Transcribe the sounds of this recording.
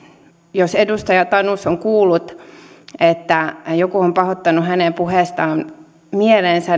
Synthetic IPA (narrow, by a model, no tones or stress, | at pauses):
josedust̪ɑjɑt̪ɑnusoŋkuːlːut̪ | et̪ːæjokuompɑhot̪ːɑnuɦænempuheˑst̪ɑːm | mielensæ